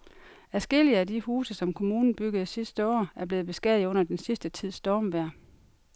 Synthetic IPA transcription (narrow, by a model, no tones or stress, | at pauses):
æsɡ̥e̝liəædihuːsəsɒ̽mkʰo̝muːnn̩b̥yɡ̥əð̞̩ˠsisd̥əɒ̰ːæɐb̥le̝ːð̩ˠb̥e̝sɡ̥ɛð̩ˠɔ̽n̰ɐd̥ensisd̥ət͡sʰið̞̰ˠsd̥ɒːmʋæɐ̰